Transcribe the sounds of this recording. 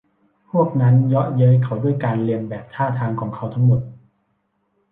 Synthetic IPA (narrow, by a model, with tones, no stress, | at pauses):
pʰu˥˩ək̚na˦˥njɔ˦˥ʔjɤ˦˥jkʰa˦˥wduː˥˩əjkaː˧nli˧əmbɛː˨˩p̚t̪ʰaː˥˩t̪ʰaː˧ŋkʰɔː˩˦ŋkʰa˦˥wt̪ʰa˦˥ŋmo˨˩t̪̚